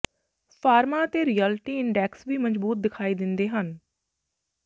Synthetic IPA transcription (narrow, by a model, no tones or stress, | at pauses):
pʰaːɾmaːət̪eːɾiːɛlʈiːɪɳɖɛːksʋiːməd͡ʒbuːt̪̚d̪ɪkʰaːiːd̪ɪnd̪eːɦən